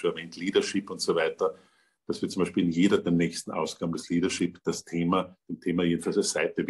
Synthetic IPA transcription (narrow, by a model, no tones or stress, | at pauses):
oɛɐvɛːntliːdɐʃɪpʊntsovæɪtɐ | d̥asvɪɐtt͡sʊmbæɪʃpiːlɪnjeːɾɐdeːɐnɛːçstn̩ʔa̰ʊsɡ̥aːbmndɐsliːɾɐʃɪpd̥astʰeːmɐd̥eːmtʰeːmɐjeːdn̩falsd̥ɛɐsæɪtəv